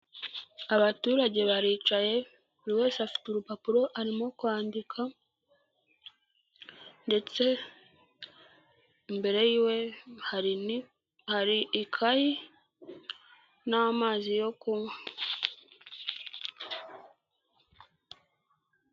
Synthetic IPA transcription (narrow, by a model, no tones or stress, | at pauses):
aβatuːɾaɟe̞βaɾiːt͡ʃaje̞ | βuɾiwe̞ːsafi̥tuɾupapuɾo̞ʔaɾimo̞kwaːndikʰa | nde̞t͡se̞ | mbe̞ɾe̞jiwe̞haɾi | haɾiːkʰaji | namaːzijo̞kumwe